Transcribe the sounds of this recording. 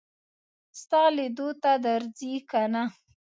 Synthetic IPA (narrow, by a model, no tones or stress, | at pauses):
st̪ɑled̪ot̪ad̪aɾd͡zikana